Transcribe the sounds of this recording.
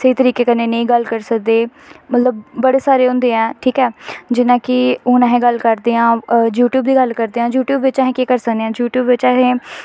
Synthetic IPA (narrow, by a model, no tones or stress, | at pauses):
səiːt̪əɾiːkeːkəneːnəĩːɡəlkəɾsək̚d̪eːmət̪ləbːəɽeːsaːɾeːɦʊ̃nd̪eːɛ̃ːʈʰiːkɛːd͡ʒɪnãːkɪʊːnɛːɦẽːɡəlkəɾd̪eːãːjuːʈjuːbd̪iːɡəlkəɾd̪eːãːjuːʈjuːbʋɪt͡ʃaɦẽːkeːkəɾsəkd̪eːãːd͡ʒuːʈjuːbʋɪt͡ʃɛːɦẽː